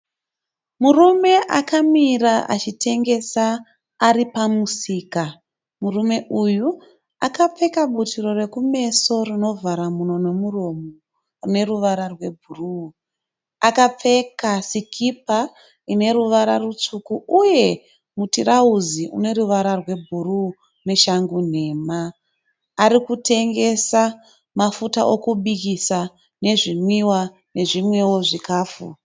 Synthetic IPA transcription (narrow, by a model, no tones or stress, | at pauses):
murume̞ʔakamiraʔa̰t͡ʃitʰe̞ŋɡe̞saː | ɾipamusiːka | murume̞ʔuju | akap͡fe̞kaɓutiro̞re̞kume̞so̞rino̞vʱaɾamuno̞ne̞muro̞mo | rune̞ruʋaɾarwe̞bʱuru | akap͡fe̞kasikʰipa | ine̞ɾuʋaɾarut͡sukuuje̞ | mutiɾauziʔṵne̞ruʋaɾarwe̞bʱuru | neʃaŋɡun̤e̞ːmaː | ɾikutʰe̞ŋɡe̞sa | mafuta̰ʔokuɓikisa | ne̞ʐimwiwa | ne̞ʐimwe̞wo̞ʐikaːfṵ